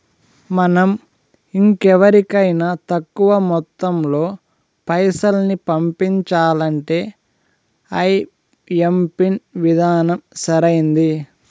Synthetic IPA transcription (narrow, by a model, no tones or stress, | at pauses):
mɐnɐm | iŋkɛʋɐɾikɐjnat̪ɐkːuʋɐmɔt̪ːɐmlo̞ː | pɐjsɐlnipɐmpiɲt͡ʃaːlɐɳʈe̞ː | ɐj | empinʋid̪ʱaːnɐmsɐɾɐjind̪i